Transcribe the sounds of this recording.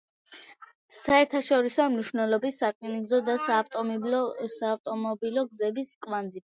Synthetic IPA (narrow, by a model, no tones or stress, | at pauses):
saɛɾt̪ʰaʃɔɾisɔamniʃvnɛlˠɔbisːakʼnizɔd̪asaːft̪ʼɔsaːft̪ʼɔmɔbilˠɔɡzɛbiskʼwand̪zi